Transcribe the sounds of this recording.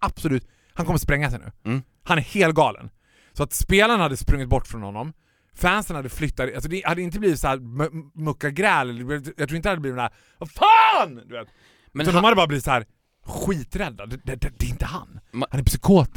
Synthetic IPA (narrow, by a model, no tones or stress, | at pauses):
absɔlʉ̟ːt̪ | hankɔmːəɾspɾɛŋːasɛjnʉ̟̰ː | hanæɾheːlt̪̚ɡɑːlə̰n | sɔat̪speːlanhad̪ːəspɾɵŋːɪt̪bɔʈːfɾɔnhɔnːɔm | fæːnsənhad̪ːəflʏt̪ːat̪alsɔd̪ɛhad̪ːɛɪnt̪əbliːvɪt̪sɔhæːɾmmɵkːaɡɾɛːlɛlːəɖɛb̪ɛvjɑt̪ɾuːɪnhad̪əbliːvɪt̪æːɾ | afaːnd̪ɵveːt̪ | ʉanɔmhad̪əbɑːɾabliːvɪt̪sɔhæːɾ | ɧiːt̪ɾɛd̪ːad̪ɛd̪ɛd̪ɛd̪ɛɪnt̪əha̰nhanɛɾpsʏkʰoːt̪